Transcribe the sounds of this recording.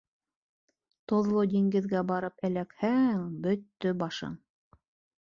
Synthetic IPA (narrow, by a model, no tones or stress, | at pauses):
t̪ŏðlˠod̪ʲiŋɡɘ̆ðɡæbɑɾɤpælækhæŋbɵt̪ːɵbɑʃɤ̰ŋ